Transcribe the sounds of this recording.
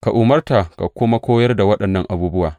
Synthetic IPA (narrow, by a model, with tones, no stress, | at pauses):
ka˨ʔʊ˨mɐ˦rta˨ka˨kʷʊ˦ma˦kʷoː˦jɐ˦rda˨wɐ˦ɗɐ˨nːɐ˦ŋʔa˨buː˦bʊ˦waː˨